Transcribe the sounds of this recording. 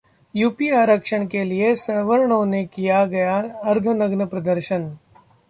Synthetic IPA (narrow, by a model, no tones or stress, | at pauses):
juːpiaɾəkʃəɳ̃keliesɐʋəɾɳõnekijaɡɐjaɐɾd̪ʱənɐɡnəpɾɐd̪əɾʃən